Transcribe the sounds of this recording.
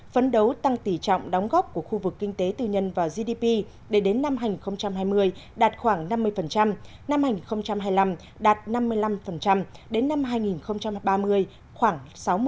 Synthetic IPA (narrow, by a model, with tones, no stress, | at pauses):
fə˨˦nɗə˨˦wt̪a˧ŋt̪i˧˩t͡ɕɔ̰˧˨wŋ͡mɗɔ˨˦wŋ͡mɣɔ˦˥p̚ku˧˩əxu˧vɨ˨˩kːï˧ŋ̟t̪e˨˦t̪ɨ˨˩ɲə˧nvaː˨˩wzi˧ɗi˧pi˧ | ɗe˧˩ɗe˨˦nːa˧mhɦaː˧jŋi˨˩nxə˧wŋ͡mt͡ɕa˧mɦaː˧jmɨ˧əj | ɗaː˨˩t̚xwaː˧˩ŋna˧mːɨ˧əjfə˨˩nt͡ɕa˧m | na˧mhaː˧jŋi˨˩nxə˧wŋ͡mt͡ɕa˧mɦaː˧jla˧m | ɗaː˨˩t̚na˧mːɨ˧əjla˧mfə˨˩nt͡ɕa˧mɗe˨˦nːa˧mɦaː˧jŋi˨˩nxə˧wŋ͡mt͡ɕa˧mɓaː˧mɨ˧əj | xwaː˧˩ŋsa˨˦wm˧